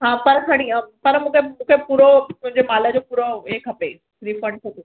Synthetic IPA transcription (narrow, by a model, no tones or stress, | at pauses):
ɦãːpɐɾsʰɐɽ̃ĩpɐɾmũːkʰemũːkʰepuːɾomʊ̃ɦɪ̃ɲd͡ʑemaːləd͡ʑoːpuːɾoekʰɐpe | ɾiːfə̃ɳɖ̚kʰɐpe